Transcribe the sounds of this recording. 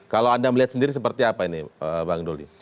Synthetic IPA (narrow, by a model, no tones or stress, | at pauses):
kalawandaməliɦat̪səndiɾis̬əpərt̪iapainiəbaŋdolḭ